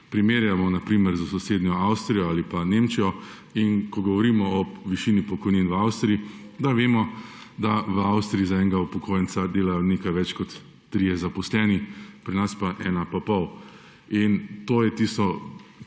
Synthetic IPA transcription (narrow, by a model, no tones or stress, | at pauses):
pɾimeːɾjamɔnapɾiːmɛɾzasɔseːd̪nʲjɔawst̪ɾijɔalipanemt͡ʃijɔ | inkɔɡɔʋɔɾiːmɔɔʋiʃiːnipɔkɔjniːnʋawst̪ɾiid̪aʋeːmɔ | d̪aʋəawst̪ɾiizaɛŋɡaupɔkʰoːjɛnsad̪eːlajɔnekajʋɛt͡ʃkɔt̪ː | ɾijɛzapɔslɛːnipɾinaspaʔɛːnapapɔw | int̪oːjɛt̪ist̪ɔ